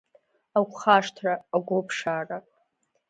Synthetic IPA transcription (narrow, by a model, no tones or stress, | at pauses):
akʷχaʂtʰraːɡʷopʰʂaːra